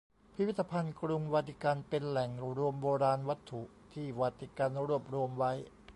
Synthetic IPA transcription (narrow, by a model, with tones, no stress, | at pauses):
pʰi˦˥wi˥t̪ːa˧pʰa˧nkɾu˧ŋwaː˧t̪ʰi˦˧˩ka˧npe˧nlɛ˨˩ŋɾu˧əmboː˧ɾaː˧nwa˦˥t̪ʰːu˨˩ | t̪ʰiː˥˩waː˧t̪ʰi˦˧˩ka˧nɾu˥˩əp̚ɾu˧əmwa˦˥j